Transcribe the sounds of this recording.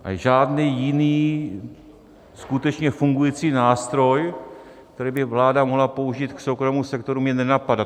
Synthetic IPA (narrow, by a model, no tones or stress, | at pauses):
ʔa̰ʒaːdniːjɪniː | skut̪ɛt͡ʃɲɛfuŋɡujiːt͡siːnaːst̪ɾo̞j | kt̪ɛɾiːbɪvlaːdamoɦlapo̞uʒiːt̪kso̞wkɾomusɛkt̪o̞ɾumɲɛnɛnapada